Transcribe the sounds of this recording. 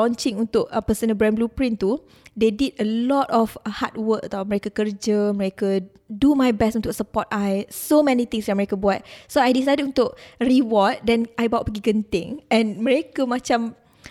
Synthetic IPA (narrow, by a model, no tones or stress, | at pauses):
ɔ̃nt͡ʃĩŋunt̪ʊk̚pəsənəbɾɛ̃nblupɾĩnt̪u | dedidəlɔtɔfhat̚wək̚t̪awmə̃ɾekakərd͡ʒəməɾekə | dumajbɛstunt̪ʊk̚səpɔtajsomɛ̃nit̪ĩŋsdaməɾekəbuat̪̚soajdisajdəd̚unt̪ʊk̚riwɔt̚dɛnajbawt̚pəɡiɡənt̪ɪ̰̃ŋɛ̃nmə̃ɾekəmãt͡ʃam